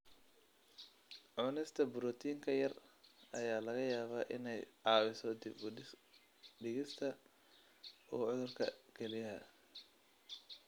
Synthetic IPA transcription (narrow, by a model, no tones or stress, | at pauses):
ʕʊnɪst̪ʰɐbʊɾɔt̪ʰiːŋkʰɐjɐrʔɐjaːlɐɣɐjaːβaːʔɪ̰nɛjʕɑːwɪsɔd̪ɪb | ɖɪɣɪst̪ʰɐ | uːʕʊðʊrkʰɐkʰɛlɪjɐɦɐ̰